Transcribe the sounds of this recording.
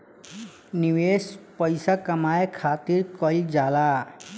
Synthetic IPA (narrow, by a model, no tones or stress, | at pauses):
niwespɔjsakamajkʰat̪iɹkɔld͡ʒala